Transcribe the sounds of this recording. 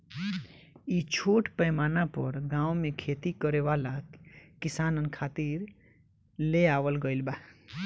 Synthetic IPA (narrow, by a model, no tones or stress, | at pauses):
it͡ʃʰoːʈpəjmaːnapəɾɡãːwmẽkʰet̪ikəɾeʋalakkːɪsaːnənkʰaːt̪iɾ | leaːʋəlɡəɪlba